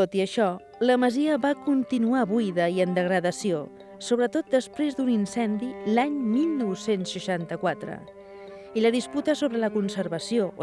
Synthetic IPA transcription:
ot̪iəʃɔ | ləməziəβakunt̪inuaβujðəiənd̪əɣ̞ɾəðəsio | soβ̞ɾət̪ot̪̚d̪əspɾezd̪uninsɛnd̪ilaɲmilˠnɔwsensːəʃant̪əkwat̪ɾə̰ | iləðisput̪əsoβɾələkunsəɾβəsioʔ

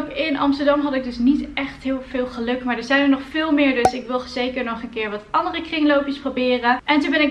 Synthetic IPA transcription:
pɪnɑ̰mstəɹdɑmɦɑtɪɡ̚dɵsnitɛχtɦɪːlˠv̥ɪːlˠχəlɵkmaːɹdəɹzɛjnənɔχfɪːlˠmɪːɹdɵsɪkʋɪlˠz̥ejkəɹnɔχənkɪːɹʋɑtɑndərəkrɪŋlowpjəsprowbɪːrəʔɛntunbɛnɪk

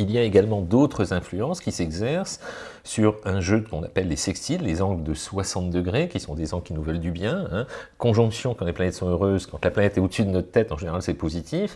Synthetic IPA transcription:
iljaeɡalmɑ̃d̪ot̪χəzɛ̃flyɑ̃skʲisɛɡzɛʁsː | yʁɛ̃ʒøkɔ̃na̰pɛlːesɛkst̪ilːezɑ̃ɡləd̪əswasɑ̃t̪̚d̪əɡʁekʲisɔ̃d̪ezɑ̃ɡkʲinuvœld̪ybjɛ̃ɛ̃kɔ̃ʒɔ̃ksjɔ̃kɑ̃leplanɛt̪sɔ̃øʁøzkɑ̃t̪laplanɛt̪ɛod̪əsyd̪ənɔt̪ət̪ɛt̪ɑ̃ʒeneʁalsɛpozit̪ʰif

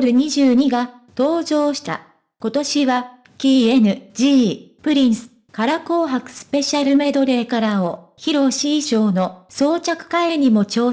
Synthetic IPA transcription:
ɾɯ̟ɲ̟iʑɨːɲ̟iɡa | t̪o̞ːʑo̞ːɕi̥t̪a̰ | ko̞t̪o̞ɕiβa | kʲiːe̞nɯ̟d͡ʑipɯ̟ɾʲĩɰ̃sɨ̥ | kaɾako̞ːɦakɯ̟̥sɨ̥pe̞ɕaɾɯ̟me̞d̪o̞ɾe̞ːkaɾao | çiɾo̞ɕiːɕo̞ːno̞so̞ːt͡ɕakɯ̟̥kaeɾɯ̟ɲ̟imo̞t͡ɕo̞ː

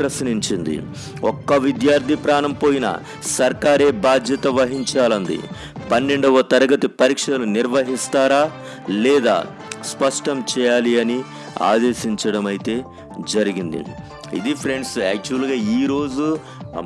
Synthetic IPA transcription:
ɾɐsniɲt͡ʃind̪ḭ | ɔkːɐʋid̪jaːɾd̪ʱipɾaːnɐmpo̞ːjinɐ̰ | sɐɾkaːɾeːbaːd̪jɐt̪ɐʋɐɦiɲt͡ʃaːlɐnd̪ḭ | pɐnːe̞ɳɖɐʋɐt̪ɐɾɐɡɐt̪ipɐɾiːkʂɐluniɾʋɐɦist̪aːɾaː | lɛːd̪a̰ː | spɐʂʈɐmt͡ʃɛːjaːliɐni | a̰ːd̪e̞ːʃiɲt͡ʃɐɽɐmɐjit̪e̞ː | d͡ʒɐɾiɡind̪ḭ | ḭd̪ipʰɾe̞ɳɖsɛːk̚t͡ʃuɐlɡaːiːɾo̞ːd͡ʒu

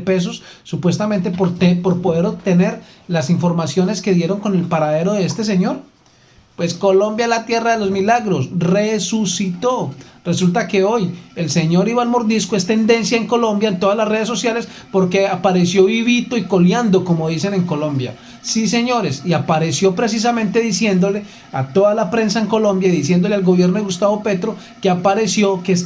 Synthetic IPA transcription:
pe̞s̬o̞sː | upwe̞st̪amẽ̞nt̪̬epoɾt̪epo̞ɾpo̞ðeɾobt̪e̞ne̞ɾ | lasiɱfo̞ɾmasjo̞ne̞ske̞ðje̞ɾo̞ŋko̞ne̞lpaɾaðe̞ɾo̞ð̞eest̪e̞s̬e̞ɲo̞ɾ | pwe̞sko̞lõ̞mbjalat̪je̞raðelo̞zmilaɣɾo̞sresusit̪o̞re̞sult̪ake̞oje̞lse̞ɲo̞ɾiβalmoɾd̪iskoe̞st̪end̪e̞nsjaeŋko̞lo̞mbjaent̪o̞ð̞azlasre̞ð̞es̬ːosjale̞s | po̞ɾke̞apaɾe̞sjo̞βiβit̪o̞iko̞ljand̪o̞ko̞mo̞ðise̞ne̞ŋko̞lõ̞mbja̰ | sise̞ɲo̞ɾe̞siapaɾe̞sjo̞pɾe̞s̬is̬amẽnt̪e̞ðisje̞nd̪o̞le̞ | at̪o̞ðalapɾe̞ns̬aeŋkolõ̞mbjaðis̬je̞nd̪o̞lealɡo̞βjeɾnoðeɣust̪aβo̞pe̞t̪ɾo̞ | keapaɾe̞sjo̞kes

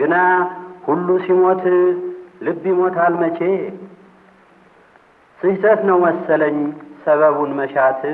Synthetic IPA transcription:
ɡɨnahulːusimo̞t̪ʰ | lɨbːjimo̞t̪ʰalmət͡ʃʰe̞ | sɨhsʰət̪nəwːɔsːələɲːsəβəβunməʃat̪ʰɨ

